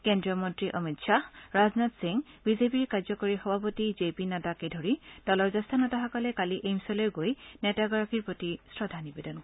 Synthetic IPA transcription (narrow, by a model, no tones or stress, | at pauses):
kendɹiɔmɔntɹiʔɔmitʃʰaɹaznatsiŋbizepiɹkaɹzɔkoɹixɔbʱapotizepinatakedʱoɹid̥ɔlɔɹzast̪ʰanɔtaxɔkɔlɛkaliʔejmsɔlojɡojnɛtaɡɔɹapʰiɹpɹotisɹɔdʱanibedɔnk